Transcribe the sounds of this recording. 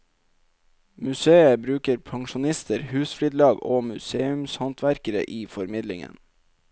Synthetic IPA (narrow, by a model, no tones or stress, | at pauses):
mʉseːəbɾʉːkəɾpʰɑŋʃʊnɪst̪əɾhʉːsflyːd̪lɑːɡoːmʉseːʉmshɑnt̪ʰʋæɾkəɾə̰ʔiːfɔɾmɪd̪lɪ̰ŋə̰n